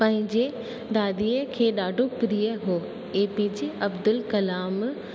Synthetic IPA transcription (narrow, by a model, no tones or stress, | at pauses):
pɐ̃ɦɪ̃ɲd͡ʑe | d̪aːd̪iːəkʰeːɗaːɖʱopɾiːəɦoː | eːpid͡ʑiɐbd̪ʊlkɐlaːm